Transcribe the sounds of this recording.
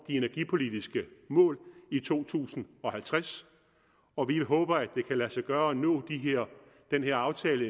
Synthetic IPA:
d̥ie̝næɐɡ̥ipʰo̝lid̥isɡ̥əmɔ̰̽ːlit͡sʰo̝̰ːt͡sʰṵːsn̩ɒ̽hælt͡sʰʁas | ɒ̽ʋiɦɔ̽ːb̥ɐæ̥e̝kʰælæsɑɡ̥ɶːɐɒnɔ̰̽ːd̥iɦeɐ̰ | d̥enɦeɐɑ̈ʊt͡sʰɛːlə

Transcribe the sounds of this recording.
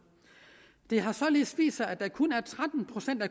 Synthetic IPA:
d̥e̝ɦɑ̈sɒ̽le̝ðˠsʋḭːsɐʔæd̥ɑkʰɔnæɐt͡sʰʁad̥n̩pʰʁo̝sen̰d̥æ

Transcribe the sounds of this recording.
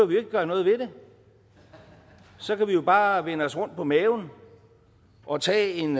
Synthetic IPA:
æʋie̝ɡ̥̚ɡ̥ɶɐnɔ̽ːð̞̩ˠʋe̝de̝ | sɒ̽kæʋijo̝b̥ɑ̈ːʋenəɒ̽sʁɔ̽n̰d̥̚pʰɒ̽mɛːʊn̩ | ʔɒ̽t͡sʰɛ̰ːe̝n

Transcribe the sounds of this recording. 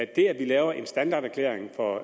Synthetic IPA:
d̥e̝æʋilɛːʊɐʔe̝nsd̥ænd̥ɑ̈ːɾ̥æɐkʰlḛːɐeŋfɒ̽

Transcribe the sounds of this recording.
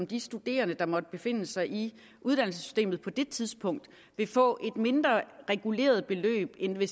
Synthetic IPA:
md̥isd̥ud̥e̝̰ːɐnəd̥ɑ̈mɒ̽d̥əb̥e̝fe̝n̰əsɑ̈ɪʔi | ʔuðˠd̥ænl̩sə̥sy̥sd̥e̝̰ːmð̩ˠpʰɒ̽d̥e̝t͡sʰið̞ˠsb̥ʰɔ̽ŋ̰d̥ | ʋe̝fɔ̰̽ːʔe̝d̥me̝nd̥ʁɐʁɛɡ̥ule̝̰ːɐð̞ˠb̥e̝lø̰ːb̥enʋe

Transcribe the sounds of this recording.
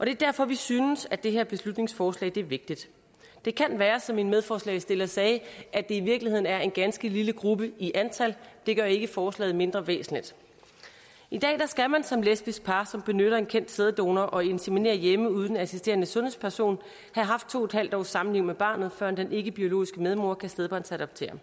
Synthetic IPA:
ʔɒ̽d̥e̝ɐd̥æɐ̰fɒ̽ʋisyːnəsæd̥e̝ɦeɐb̥e̝slud̥ne̝ŋsfɒːslɛ̰ɪd̥e̝æɐʋe̝ɡ̥̚d̥id̥ | d̥e̝kʰænʋæːɐsɒ̽me̝n̥með̞ˠfɒːslɛ̰ɪsd̥e̝lɐsɛːʔæd̥e̝iʋiɐɡ̥lihe̝ð̞̰ˠn̩æɐe̝nɡ̥ænsɡ̥əliləɡ̥ʁub̥əiʔænt͡sʰæl̰d̥e̝ɡ̥ɶɐe̝ɡ̥əfɒːslɛ̰ːð̩ˠme̝nd̥ʁɐʋḛːsn̩lid̥ | id̥ɛ̰ːd̥ɑsɡ̥æmænsɒ̽mlesb̥isɡ̥̚pʰɑ̈sɒ̽mb̥e̝nøɾ̥ɐe̝nkʰen̰d̥seð̞ˠd̥o̝̰ːnɐʔɒ̽e̝nsemine̝̰ːɐjeməuð̞ˠn̩æsisd̥e̝̰ːɐnəsɔ̽nhe̝̰spʰæɐso̝̰ːn | hæɦɑ̈fd̥̚t͡sʰo̝̰ːed̥hæl̰d̥ɒ̰ʊ̰sɑ̈mn̩liʊ̰meb̥ɑ̈ːnð̩ˠfɶɐnd̥ene̝ɡ̥əb̥io̝lo̝̰ːisɡ̥əmeð̞ˠmo̝ɐkʰæsd̥eð̞ˠb̥ɑ̈nsæɾ̥ɒb̥̚t͡sʰe̝̰ːɐ

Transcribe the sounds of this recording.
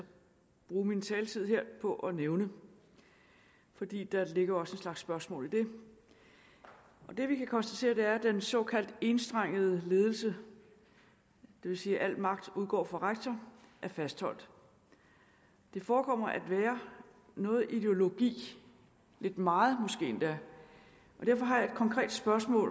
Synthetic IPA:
sɒ̽ | b̥ʁuːmint͡sʰɛːlt͡sʰið̰ˠheɐ̰pʰɒ̽ʔɒ̽neʊnə | fɒ̽d̥ḭːd̥ɑ̈le̝ɡ̥ɐɒ̽səe̝nslɑ̈ɡ̥sːb̥ɶɐsmɔ̰ːlid̥e̝ | ʔɒ̽d̥e̝ʋikʰækʰɒ̽nsd̥æt͡sʰe̝̰ːɐd̥e̝æɐd̥ensɒ̽kʰæl̰d̥e̝nsd̥ʁaŋ̰əð̞̩ˠəle̝ːð̞ˠl̩sə | d̥e̝ʋe̝siːʔæl̰̥mɑ̈ɡ̥̚d̥uðˠɡ̥ɒ̰ːfɑ̈ʁaɡ̥̚t͡sʰɐʔæɐfæsd̥hɒ̽l̰d̥ | d̥e̝fɒːkʰɒ̽m̰ɐʔæd̥ʋɛːɐ | nɔ̽ːð̩ˠid̥e̝o̝lo̝ɡ̥ḭː | le̝d̥mɑ̈ːð̩ˠmosɡ̥e̝̰ːend̥æ | ʔɒ̽d̥æɐ̰fɒ̽ɦɑ̈jɑe̝d̥̚kʰɒ̽ŋkʰʁɛ̰ːd̥sb̥ɶɐsmɔ̰̽ː

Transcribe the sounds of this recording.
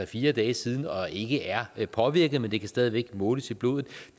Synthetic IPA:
ɛfiːɐd̥ɛːsiːð̞ˠn̩ɒ̽e̝ɡ̥əʔæɐpʰɒ̽ʋiɐɡ̥əðˠmend̥e̝kʰæsd̥ɛːð̞ˠiʋeɡ̥mɔ̽ːləsib̥lo̝̰ːðˠð̩̥ˠ

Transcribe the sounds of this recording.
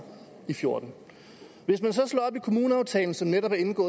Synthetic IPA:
ifjo̝ɐ̰d̥n̩ | ʋe̝smænsɒ̽slɔ̰ːɒ̽b̥ikʰo̝muːnəɑ̈ʊt͡sʰɛ̰ːln̩sɒ̽mneɾɒ̽b̥æɐe̝nɡ̥ɔ̽ː

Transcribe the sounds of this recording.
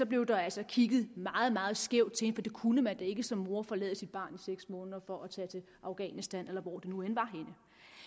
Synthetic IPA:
sɒ̽b̥le̝ʊd̥ɑ̈ælsɒ̽kʰiɡ̥əð̩ˠmɑ̈ːð̞̩ˠmɑ̈ːð̞̩ˠsɡ̥eʊd̥̚t͡sʰe̝he̝n̩əfɒ̽d̥e̝kʰunəmænd̥æe̝ɡ̥əsɒ̽mːo̝ɐfɒ̽lɛ̰ːðˠəsid̥̚b̥ɑ̰̈ːniseɡ̥smɔ̽ːnðˠɐfɒ̽ʔæt͡sʰɛ̰ːt͡sʰe̝l | ʔɑ̈ʊɡ̥ɛ̰ːnisd̥ænelɐʋɒ̰d̥e̝nuenʋɑ̈ɦe̝nə

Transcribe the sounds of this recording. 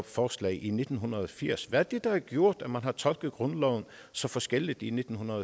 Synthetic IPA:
b̥fɒːslɛ̰ɪʔine̝d̥n̩ɦunʁɐð̩ˠɒfiɐ̰sʋææd̥e̝d̥ɑ̈æɐɡ̥jo̝ɐ̰d̥æmænɦɑ̈t͡sʰɒ̽lɡ̥əð̩ˠɡ̥ʁɔ̽nlɒʊn̩ | sɒ̽fɒ̽sɡ̥el̰id̥ine̝d̥n̩hunɐðˠ

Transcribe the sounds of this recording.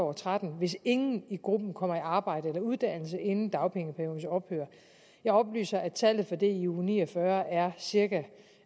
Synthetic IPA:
ɒt͡sʰʁad̥n̩ʋe̝se̝ŋn̩iɡ̥ʁub̥n̩kʰɒ̽m̰ɐiɑ̈ːb̥ɑ̈ɪ̰d̥əelɐuð̞ˠd̥æn̰l̩səʔe̝nn̩d̥ɑ̈ʊpʰeŋəpʰæɐjo̝ːðn̩sɒ̽b̥høːɐ | jɑ̈ɪɒ̽b̥ly̰ːsɐæt͡sʰæl̰ð̩ˠfɒ̽d̥e̝iuːnḭːɒfɶɐæɐsiɐɡæ

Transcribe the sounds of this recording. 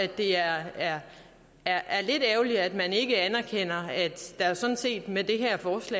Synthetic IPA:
æd̥ːe̝æɐæɐ | æɐʔæɐle̝d̥ɛʊliæd̥mæne̝ɡ̥əænæɐkʰen̰ɐæd̥ːæ̈æsɒ̽n̩se̝̰ːd̥med̥e̝ɦæɐ̰fɒːslɛ̰ː

